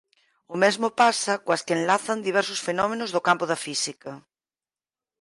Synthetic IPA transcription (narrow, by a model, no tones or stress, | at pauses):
ʊmɛzmopasɐkwɐskenlaθɐnd̪iβ̞ɛɾsʊsfenɔmẽnozðokampoðɐfisikɐ